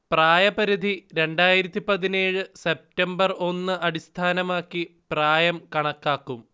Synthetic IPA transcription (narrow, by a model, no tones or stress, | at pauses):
praːjɐpɐɾud̪ʱiɾe̞ɳɖaːjiɾɐt̪ːipɐðine̞ːɻɨse̞p̚tɐmbɐro̞nːɨɐɽist̪ʰaːnɐmaːkːipraːjɐmkɐɳɐkːaːkːum